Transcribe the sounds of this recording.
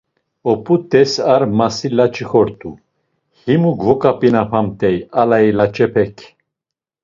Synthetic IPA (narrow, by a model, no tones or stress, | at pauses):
ɔpʼut̪ʼɛsaɾmasilat͡ʃʰʼixɔɾt̪ʰʼu | himuɡvɔkʼapʼinapʰamt̪ʼɛjalailat͡ʃʼɛpʰɛkʰ